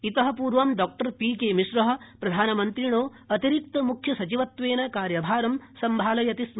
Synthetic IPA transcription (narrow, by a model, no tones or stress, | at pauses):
it̪ɐɦɐ̆puːɾʋɐmɖɔːk̚ʈɐɾpiːkeːmiʂɾɐɦɐ̆pɾɐd̪ʱaːnɐmɐnt̪ɾiɳoː | ɐt̪iɾik̚t̪ɐmukʰjɐsɐt͡ʃiʋɐt̪ʋeːnɐkaːɾjɐbʱaːɾɐmsɐmbʱaːlɐjɐt̪is